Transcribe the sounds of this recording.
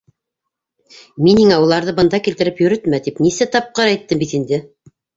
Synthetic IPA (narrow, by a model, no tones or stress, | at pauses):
minhiŋæulˠɑɾðɤbɤ̆nd̪ɑkilt̪ɘ̆ɾɘpjɵ̆ɾɘt̪mæt̪ipnisæt̪ɑp̚qɤɾæjt̪ːɘmbit̪ind̪ɘ